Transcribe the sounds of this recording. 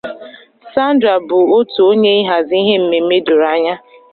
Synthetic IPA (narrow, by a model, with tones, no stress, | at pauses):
sa˦n̩˦dɾa˨bʊ˨o˦tu˨o˦ɲe˦i˦ɦa˨zi˦ɦe˦m̩˨me˨˦me˦dʊ˨ɾa˦ɲa˦